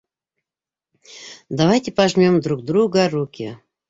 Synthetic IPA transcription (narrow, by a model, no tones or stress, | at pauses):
d̪avajtʲɪpaʒmʲomd̪ɾuk̚d̪ɾuɡəɾukʲi